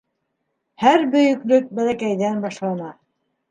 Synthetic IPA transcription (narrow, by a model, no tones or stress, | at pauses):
hæɾbɵ̆jɵ̆klɵk̚bælækæjðænbɑʃlˠɑnɑ